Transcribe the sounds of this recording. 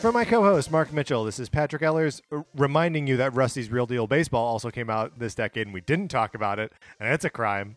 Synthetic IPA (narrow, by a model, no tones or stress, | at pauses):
fʌ̃maɪkʰoʊhoʊst̚mɑɹk̚mɪt͡ʃl̩ˠðɪsɨz̥pʰæt͡ʃɹ̥ɨkɛlˠə˞zɹɨmãɪ̃ndɪ̃ŋjɨðɨt̚ɹʌsizɹilˠdilˠbeɪsb̥ɔlˠɔlˠsoʊkʰẽɪ̃maʊt̪̚ðɪsd̥ɛkeɪɾ̃n̩widɪdⁿn̩tʰɔkɨbaʊɾɪt̚ɨ̃nɨtsɨkʰɹ̥ã̰ɪ̃m